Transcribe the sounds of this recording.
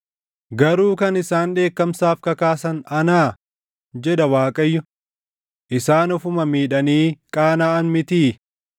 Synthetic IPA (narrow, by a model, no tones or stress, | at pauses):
ɡɐɾuːkɐnɪsaːnᶑe̞ːkːɐmsaːfkɐkaːsɐnɐnaː | d͡ʒɛd̪ɐwaːkʼɐjːʊ | ʔɪsaːnɔfʊmɐmiːᶑɐniːkʼaːnaːʔɐnmɪt̪iː